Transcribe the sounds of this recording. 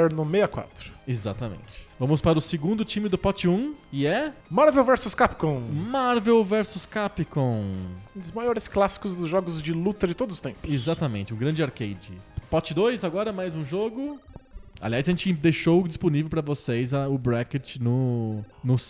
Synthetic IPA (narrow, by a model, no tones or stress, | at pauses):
ɛɾnʊmejɐkwa̰t̪ɾʊ̥ezat̪ɐmḛ̃nt͡ʃɪ̥vɐ̃mʊspaɾʊseɡũnd̪ʊt͡ʃĩmɪd̪ʊpɔt͡ʃɪũɪɛmaɾvewvɛɾsʊskapi̥kõmaɾvewvɛɾsʊskapikõũd̪ʊzmajɔɾɪsklasi̥kʊzd̪ʊzʒɔɡʊzd͡ʒɪlut̪ɐd͡ʒɪt̪od̪ʊzʊst̪ḛ̃mpʊ̥sezat̪ɐmẽnt͡ʃɪũɡɾɐ̃nd͡ʒɪaɾkejd͡ʒɪpɔt͡ʃɪd̪ojzaɡɔɾɐmajzũʒoɡʊ | a̰liajzɐʒẽnt͡ʃɪd̪ejʃowd͡ʒisponivewpɾɐvosejzɐʊbɾɛket͡ʃɪnʊnʊs